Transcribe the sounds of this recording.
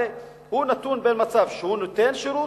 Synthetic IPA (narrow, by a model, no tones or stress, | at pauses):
e | hunat̪unbenmat͡savʃehunot̪enʃeɾu